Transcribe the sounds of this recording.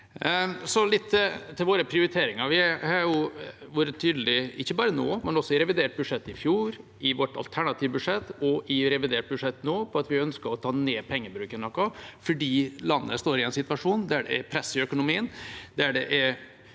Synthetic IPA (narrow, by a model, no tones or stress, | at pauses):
sɔlɪt̪ʰːt̪ʰɪlʋoːɾəpʰɾɪʊɾɪt̪ʰeːɾɪŋɑɾʋɪhɑɾjʊʋoːɾət̪ʰːyːd̪lɪɪçːəbɑːɾənoːmɛnɔsːɔɪɾɛʋɪd̪eːʈ̚bʉʂɛt̪ːɪfjuːɾʔɪʋɔʈɑ̰lt̪ʰæɳɑt̪ʰiːʋbʉʂɛt̪ːɔʔɪɾɛʋɪd̪eːʈ̚bʉdʂɛt̪ːnoːpʰɔɑt̪ʋɪœnskəɾɔt̪ʰɑːneːpʰɛŋːəbɾʉːkənɔkːɑfɔɖiːlɑnːəəst̪oːɾɪɛnsɪt̪ʋɑʂuːnd̪æɖɛ̰ɛpʰɾɛsːɪœkʊnʊmiːənd̪æɖɛ̰ʔɛ